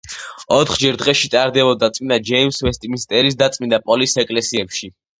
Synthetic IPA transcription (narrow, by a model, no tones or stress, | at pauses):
ɔt̪ʰχd͡ʒɛɾd̪ʁɛʃit̪ʼaɾd̪ɛbɔd̪at̪sʼmind̪ad͡ʒɛimsvɛst̪ʼiminst̪ʼɛɾisd̪at̪sʼmind̪apʼɔlisɛkʼlɛsiɛpʃi